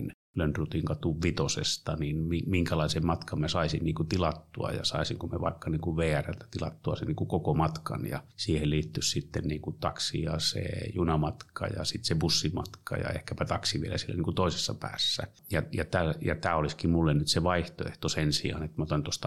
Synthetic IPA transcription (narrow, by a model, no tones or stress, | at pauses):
n | lønt̪rut̪iŋkɑt̪uʋʋit̪osḛst̪ɑninmimiŋkælɑisemmɑt̪kɑmmæsɑisinniːŋkut̪ilɑt̪ːuɑ̰jɑ̰sɑˑisiŋkumeʋɑikːɑniːŋkuʋʋeːærælt̪æ̥t̪ilɑt̪ːuɑsinniːŋkukokomɑt̪kɑ̰njɑ̰siːhelliːt̪ːyssit̪ːenniːŋkut̪ɑksijɑsḛjunɑmɑt̪kʰɑ̰jɑ̰sit̪sebusːimɑt̪kɑ̰jɑ̰ḛhkæpæt̪ɑksiʋielæsielːæniːŋkut̪oˑise̥sːɑpæ̰ːsːæ̰ | jɑjɑt̪æjɑt̪æːoliskimmulːennyt̪seʋɑiht̪o̰ḛht̪osensḭɑ̰net̪ːmæot̪ɑnt̪ost̪ɑ